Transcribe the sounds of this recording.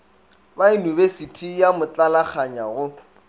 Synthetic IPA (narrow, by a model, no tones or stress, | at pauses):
bainibesitʰijamʊt͡ɬʼalak͡xʰaɲaɣʊ